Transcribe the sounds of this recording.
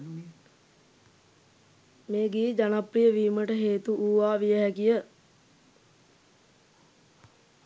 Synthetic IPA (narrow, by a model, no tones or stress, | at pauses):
meːɡiːd͡ʒanaprijəʋiːməʈəɦeːt̪uʔuːʋaːʋijəɦɛkijə